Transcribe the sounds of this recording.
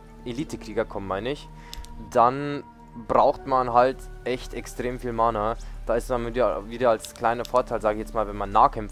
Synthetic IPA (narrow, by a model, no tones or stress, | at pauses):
ʔeliːtʰəkʁ̥iːɡɐkʰɔməmːaɪnəɪç | d̥an | bʁaʊxtmanɦaltʔɛçtɛkstʁ̥eːmfiːlmaːnad̥aːɪstmaniɐviːdɐalskʰl̥aɪnɐfoːɐtʰaɪlzaːɡəɪçjɛt͡smaːlvɛnmanːaːχkʰɛmf